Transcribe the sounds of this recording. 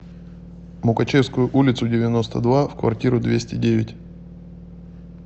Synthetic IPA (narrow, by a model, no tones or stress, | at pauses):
mʊkɐt͡ɕefskʊjʊʔulʲɪt̪sʊdʲɪvʲɪno̞st̪əd̪vafkvɐ̰rtʲiɾʊd̪vʲesʲtʲɪdʲeɪtʲ